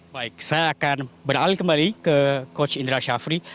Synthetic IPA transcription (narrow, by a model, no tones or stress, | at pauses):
baik̚sajaːkanbəralikəmbalikəkot͡ʃindɾaʃafɾi